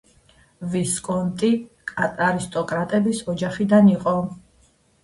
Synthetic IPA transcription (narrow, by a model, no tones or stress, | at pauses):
viskʼɔnt̪ʼi | kʼat̪ʼaɾist̪ʼɔkʼɾat̪ʼɛbisɔd͡ʒaχid̪aniqʼɔ